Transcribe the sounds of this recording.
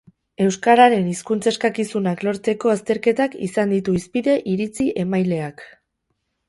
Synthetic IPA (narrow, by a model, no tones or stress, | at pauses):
e̞wskaɾaɾe̞niskunt͡se̞skakisunaklo̞ɾt͡s̪e̞ko̞ast̪e̞ɾke̞t̪akḭsand̪it̪uispiðe̞ʔiɾit͡siʔe̞majle̞ak